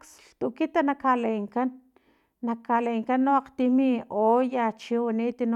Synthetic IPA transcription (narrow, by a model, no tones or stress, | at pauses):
ks | t̪uʔkit̪anakaleːŋkanː | akʰaleːŋkanːoaqt̪imiojat͡ʃiwaniʔt̪ino